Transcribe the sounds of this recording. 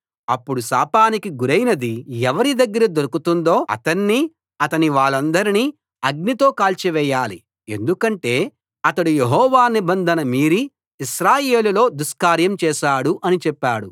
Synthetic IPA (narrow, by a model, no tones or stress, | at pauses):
ɐpːuɽusa̰ːpaːnikiɡuɾɐjnɐd̪iɛʋɐɾid̪ɐɡːɐɾɐd̪oɾukut̪und̪o̞ːɐ̰t̪ɐnːiː | ɐt̪ɐniʋaːɭːɐnd̪ɐɾiniː | ɐɡ̚nit̪o̞ːkaːlt͡ʃiʋɛːjaːli | e̞̰nd̪ukɐɳʈe̞ː | ɐt̪ɐɽujeɦɔːʋaːnibɐnd̪ʱɐnɐmiːɾiː | ʃɾaːje̞ːlulo̞ːd̪uskaːɾjɐmt͡ʃɛːʃaːɽuʔɐnit͡ʃɛpːaːɽu